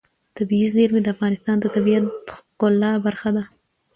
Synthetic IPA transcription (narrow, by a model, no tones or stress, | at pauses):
t̪abiizeɾmed̪əafɣɑnɪst̪ɑnd̪ət̪abijat̪kolːɑbaɾxad̪a